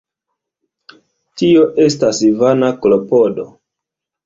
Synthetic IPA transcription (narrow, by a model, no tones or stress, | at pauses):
tio̞ʔe̞stasivanaklo̞po̞do̞